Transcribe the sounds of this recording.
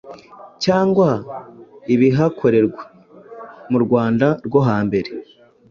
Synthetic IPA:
caːŋɡwa | iβiɦakʰo̞ɾe̞ɾɡwḁ | muɾɡwaːndaɾɡo̞ɦaːmbe̞ɾe̞

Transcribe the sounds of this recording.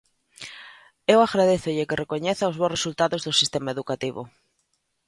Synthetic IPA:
ewaɣɾaðeθʊʎɪkɪrekoɲeθawzβoresult̪aðozðosist̪emaeðukat̪iβʊ̰

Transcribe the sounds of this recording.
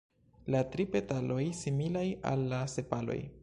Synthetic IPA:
latɾipe̞talo̞jsimilaja̰lːase̞palo̞̰j

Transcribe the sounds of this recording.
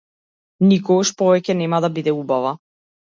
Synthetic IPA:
nikɔɡaʃpɔvɛcɛnɛmad̪abid̪ɛubava

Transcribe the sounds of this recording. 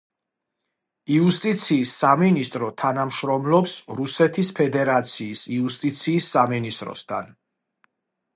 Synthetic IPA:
iust̪ʼit̪sʰiːsːaminist̪ʼɾɔt̪ʰanamʃɾɔmlˠɔpsɾusɛt̪ʰispʰɛd̪ɛɾat̪sʰiːsiust̪ʼit̪sʰiːsːaminist̪ʼɾɔ̰st̪ʰa̰n

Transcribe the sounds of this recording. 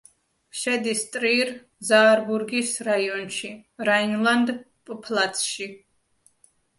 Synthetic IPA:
ʃɛd̪ist̪ʼɾiɾ | zaːɾbuɾɡisɾaiɔnʃiɾainlˠand̪ | pʼpʰlˠat̪sʰʃi

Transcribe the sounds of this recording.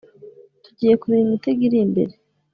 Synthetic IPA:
tuɟiːje̞kuβiumiteɡiɾimbe̞̰ɾe

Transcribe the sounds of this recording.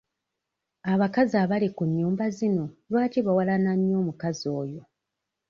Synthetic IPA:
aβakazaβalikuɲːuːmbazino̞lwaːtiβawalanamjo̞ːmukazo̞ːjo̞

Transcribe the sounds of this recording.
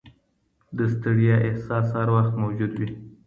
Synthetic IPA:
d̪əst̪əɽjɑʔɪhsɑshɑɾwaxt̪mawd͡ʒud̪wi

